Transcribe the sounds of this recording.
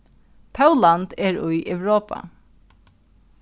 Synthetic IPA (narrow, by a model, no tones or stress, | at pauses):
pʰawland̪ɛɹʊjʔɛwɹoːpa̰